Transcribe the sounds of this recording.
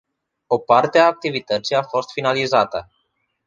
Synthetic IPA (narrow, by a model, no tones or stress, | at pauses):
o̞part̪eaːk̚t̪ivit̪ət̪sijafo̞st̪finalizat̪ə